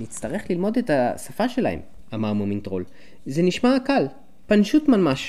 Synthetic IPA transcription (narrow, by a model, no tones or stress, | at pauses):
nitt͡staʁe̞χlilmo̞detasafaʃe̞la̰hḛm | amaʁmumintʁo̞̰l | zeniʃmakal | panʃutmalmaʃ